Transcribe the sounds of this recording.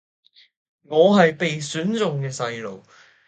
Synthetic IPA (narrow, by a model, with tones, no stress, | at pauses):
ŋɔː˨˧ɦɐ˨jpe˨jsyː˨˥nt͡sʊ˨ŋkɛː˧sɐ˧jlo̰˨˩w